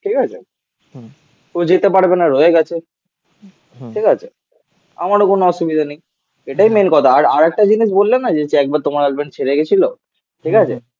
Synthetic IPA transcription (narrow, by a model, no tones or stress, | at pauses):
ʈʰikat͡ɕʰe | t̪od͡ʑit̪epaɽbenaɾoeɡɛt͡ɕʰe | ʈʰikat͡ɕʰe | a̰maɾokonoɔʃubid̪ʱanej | eʈajmenkɔt̪ʰaaɾaɾɛk̚ʈad͡ʑiniʃbolːenːad͡ʑet͡ɕɛk̚baɾt̪omaɾelbeɳʈ̚t͡ɕʰeɾeɡet͡ɕʰilo | ʈʰikat͡ɕʰḛ